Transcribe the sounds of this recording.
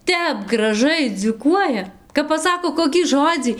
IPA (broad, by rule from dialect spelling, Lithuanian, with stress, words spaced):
ˈtʲɛp ɡrɐˈʒɐɪ d͡zʲuːˈkuɔjɛ kɐp pɐˈsɑːkoː ˌkoːkʲiː ˈʒoːd͡zʲiː